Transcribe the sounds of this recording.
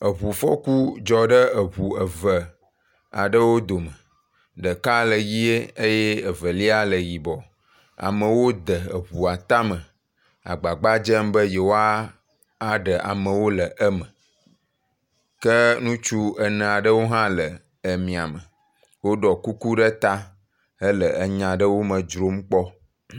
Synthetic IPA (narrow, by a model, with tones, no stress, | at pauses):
ə˨βu˨fɔ̰˦ku˦d͡ʒɔ˨ɖə˦ə˨βu˨ə˨və˨ | a˨ɖə˦wo˦d̪o˨mə˨ | ɖə˨ka˦lə˨ji˦e˦e˦je˦ə˨və˨li˦a˦lə˨ji˨bɔ˨ | a̰˨mə̃˨wo˦d̪ə˨ə̰˨βu˨a˨t̪a˦mə̃˨ | a̰˨ɡ͡ba˨ɡ͡ba˦d͡ʒə˦mbə˦je˨wo˦a˦ | a˦ɖə˨ʔa̰˨mə̃˨wo˦lə˨ʔə˦mə̃˨ | kə˦nũ˦t͡ʃu˦ə˨nə̃˨a˨ɖə˦wo˦ɦã˦lə˨ | ə˨mĩ˨a̰˨mə˨ | wo˦ɖɔ˨ku˦ku˦ɖə˦t̪a˦ | ə˦lə˨ə˨ɲã˨ɖə˦wo˦mə̃˨d͡ʒɾo˦m˦k͡pɔ˦